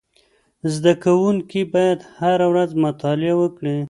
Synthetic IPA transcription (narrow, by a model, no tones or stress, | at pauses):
zd̪akawuŋkibɑjad̪haɾawɾazmʊt̪ɑlɪawəkɽi